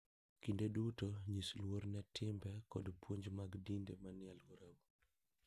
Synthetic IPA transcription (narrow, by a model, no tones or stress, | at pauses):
kindedutoɲislwoɾnɛtʰɪmbɛkɔ̰dpwoɲd͡ʒmaɡdindemanɪalɡoɾabo